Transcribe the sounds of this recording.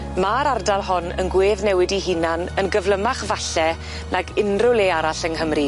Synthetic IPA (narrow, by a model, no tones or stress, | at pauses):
maɾardalˠɦɔnə̰nɡweːðnɛwɪdiɦinanənɡəvlˠəmaχvaɬɛ | nʔaɡɪnrʊlˠeaɾaɬənhəmri